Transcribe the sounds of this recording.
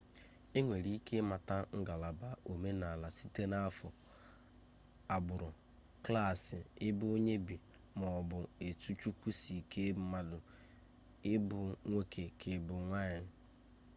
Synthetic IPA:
e˦ŋʷe˨ɾi˦i˦kʰe˦ma˨ta˦ŋ̩˦ɡa˨la˨ba˨ʔo˨me˦na˨la˨si˦te˦na˦fʊ˨ | a˨bʊ˨ɾʊ˨ | kla˦˨sɪ˨ɪ˦bʊ˦o˦ɲe˦bi˨ | mɔ˨bʊ˨e˨tu˦t͡ʃu˦kʷu˦si˨kʰe˦˨ma˨dʊ˨ | ɪ˦bʊ˨ŋʷe˦kʰe˨kʰe˨bʊ˨ŋʷa˦ɲɪ˨

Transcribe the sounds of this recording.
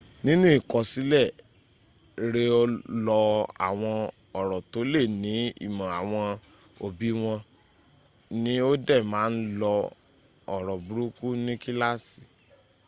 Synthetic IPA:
nĩ˦nũ˦i˦˨kɔ˨si˨˦lɛ˦˨ | ɾe˧lɔ˧a̰˨w̃ɔ̃˧ | ɔ˨ɾɔ˨to˨˦le˦˨nĩ˨˦ḭ˦˨mã˨a˨w̃ɔ̃˧ | o˨bi˦w̃ɔ̃˧ | nĩ˨˦o˦dɛ˦˨mãː˦n̩˦lɔ˧ | ɔ˨ɾɔ˨bu˨˦ɾu˦ku˦nĩ˦ki˦la˦si˨

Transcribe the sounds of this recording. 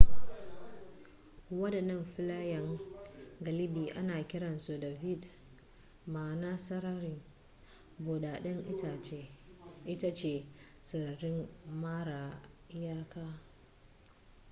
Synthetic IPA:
wɐ˦dɐ˨nːɐ˦mɸɪ˦laː˦jɐ˨ŋ | ɡɐ˨lɪ˦biː˨ʔa˦naː˨kʲɪ˦ɽɐ˨nso˨dɐ˨vɪ˦d | maː˨naː˦sɐ˦ɾa˦ɾɪ˦˨ | bo˨ɗaː˨ɗɐ˦ŋ˦˨ | ʔɪ˦ta˦t͡ʃeː˨ | sɐ˨ɾɪ˦mmaː˦ɽa˨˦jaː˦kaː˦

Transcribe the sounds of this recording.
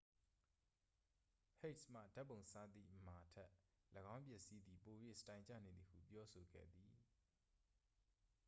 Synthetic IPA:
he˦˨tsm̥ä̰˦˨da˦pːõ˨ʊ̃sa˦˨t̪ḭ˦˨ʔəma˨tʰɛ˦ʔləɡã˦ʊ̃mpjɛ˦ʔsi˦d̪ði˨po˨jwḛ˦˨stã˨ɪ̃ɲt͡ɕä̰˦˨nẽ˨d̪ði˨hṵ˦˨pjɔ˦so˨ɡɛ̰˦˨d̪ði˨

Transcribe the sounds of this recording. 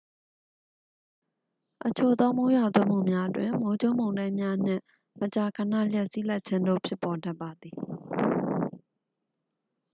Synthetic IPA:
ʔət͡ɕʰo˨d̪ɔ˦mo˦jwa˨t̪wɛ̃˦˨m̥ṵ˦˨mja˦ʔətwɪ̃˨mo˦d͡ʑo˦˨ʔmõ˨ʊ̃ndã˦ɪ̃mja˦n̥ɪ̰̃˦˨ | mət͡ɕa˨kʰə˨na̰˦˨ljɛ˦ʔsi˦la˦t̚t͡ɕʰɪ̃˦ndo̰˦˨pʰjɪ˦pːɔ˨da˦pːa˨d̪i˨

